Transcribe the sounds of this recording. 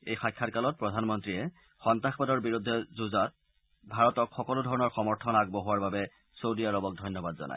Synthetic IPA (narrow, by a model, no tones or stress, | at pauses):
ejxajkʰːatkalɔt̚pɹɔdʱanmɔntɹiɛ | xɔntaxpadɔɹbiɹudʱːɛzuzat̚ | bʱaɹɔtɔkxɔkɔlʊdʱɔɹɔnɔɹxɔmɔɹtʰɔnaɡ̚boɦuwaɹbabɛ | sowdiaɹɔbɔk̚dʱɔjnːɔbadzɔ̰na̰j